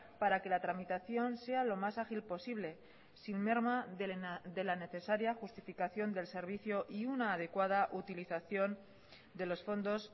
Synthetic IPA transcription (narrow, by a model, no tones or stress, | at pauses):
paɾake̞lat̪ɾamit̪aθjo̞nse̞alo̞masaxilpo̞siβle̞ | sinme̞ɾma | d̪e̞lane̞θe̞saɾjaxust̪ifikaθjo̞nd̪e̞lse̞ɾβ̞iθjo̞ʔiunaːðe̞kwað̞aʔut̪iliθaθjo̞n | d̪e̞lo̞sfo̞nd̪o̞s